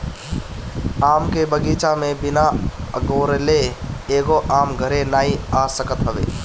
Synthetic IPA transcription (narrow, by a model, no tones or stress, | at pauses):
aːmkebəɡiːt͡ʃamẽbɪnaəɡoːɾleeːɡoʔaːmɡʱəɾenaːiaːsəkət̪ɦəʋḛː